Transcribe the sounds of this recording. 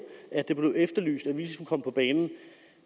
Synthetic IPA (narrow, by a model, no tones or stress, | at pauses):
æd̥e̝b̥le̝ʊefd̥ɐly̰ːsd̥æʋisəsunkʰɒ̽m̰pʰɒ̽b̥ɛːnn̩